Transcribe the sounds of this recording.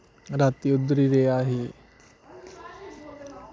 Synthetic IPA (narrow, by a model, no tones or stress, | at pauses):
ɾat̪iud̪ɾiɾeaːɦe